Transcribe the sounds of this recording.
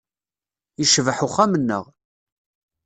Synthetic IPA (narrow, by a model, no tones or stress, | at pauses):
iʃvəħʊχːamənːə̰ʁ